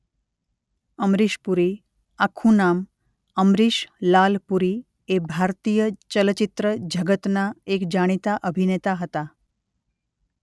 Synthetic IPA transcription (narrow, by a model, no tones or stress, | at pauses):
əmɾiʃpuɾi | akʰũnam | əmɾiʃlalpuɾi | ebʱaɾt̪ijət͡ɕələt͡ɕit̪ɾəd͡ʑʱəɡət̪naekd͡ʑaɽ̃it̪aʔəbʱinet̪aɦət̪a